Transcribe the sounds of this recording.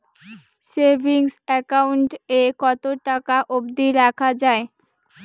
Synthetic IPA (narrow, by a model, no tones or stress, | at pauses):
sebʱiŋsɛkauɳʈekɔt̪oʈakaʔobd̪iɾakʰad͡ʑae